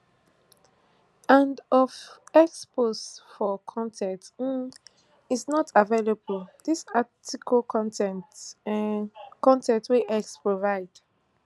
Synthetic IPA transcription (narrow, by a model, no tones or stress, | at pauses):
ãndɔvɛksposfɔkʰɔ̃ntʰɛ̃nt̩ | isnɔtʰavelabəldisatikʰəktɛ̃nt | kɔ̃ntɛ̃ntweʔɛkspɹovaɪd̥